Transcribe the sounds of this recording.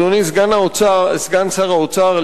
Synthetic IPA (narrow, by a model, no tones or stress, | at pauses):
onisɡanaot͡sasɡant͡saʁaot͡saʁ